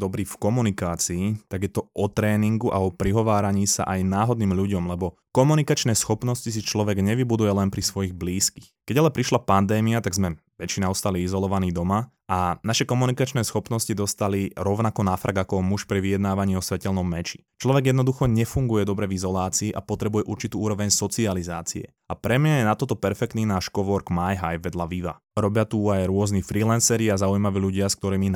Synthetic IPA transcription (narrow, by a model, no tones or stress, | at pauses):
d̪ɔbɾiːfkɔmunikaːt͡siːt̪aɡjɛt̪ɔʔɔt̪ɾɛːniŋɡuʔa̰ɔpɾiɦɔʋaːɾaɲiːsa̰ʔajnaːɦɔd̪niːmʎuɟɔmlɛbɔ | kɔmunikat͡ʃnɛːsxɔpnɔscis̬it͡ʃlɔʋɛɡɲɛʋibud̪ujɛlɛnpɾisʋɔjiɣbliːskixkɛɟalɛpɾiʃlapand̪ɛːmiat̪aɡzmɛ | ʋɛt͡ʃinaɔst̪aliizɔlɔʋaniːd̪ɔma | ʔanaʃɛkɔmunikat͡ʃnɛːsxɔpnɔscid̪ɔst̪aliɾɔʊnakɔnafɾʔa̰ɡakɔmuʃpɾiʋijɛd̪naːʋaɲiːɔsʋɛcɛlnɔmːɛt͡ʃi̥ | t͡ʃlɔʋɛɡjɛd̪nɔd̪uxɔɲɛfuŋɡujɛd̪ɔbɾɛvizɔlaːt͡siːʔapɔt̪ɾɛbujɛʔuɾt͡ʃit̪uːuːɾɔʋɛɲsɔt͡sializaːt͡siɛ̰ | apɾɛmɲajɛnat̪ɔt̪ɔpɛɾfɛk̚t̪niːnaːʃkɔʋɔɾɡmajɦajbʋɛd̪laʋiʋa̰ | ɾɔbɪat̪uajɾʊɔznifɾiːlɛnsɛɾiazaujmaʋiːʎuɟɪask̚t̪ɔɾiːmi